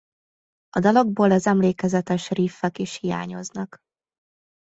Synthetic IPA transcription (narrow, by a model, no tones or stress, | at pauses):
ɒd̪ɒlɒɡboːlɛzɛmleːkɛzɛt̪ɛʃriːfːɛkiʃhija̰ːɲo̞̰znɒk